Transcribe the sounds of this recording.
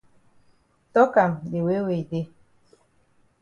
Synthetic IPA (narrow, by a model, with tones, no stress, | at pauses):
tɔ˦ka˨mɗe˨we˦we˨de˦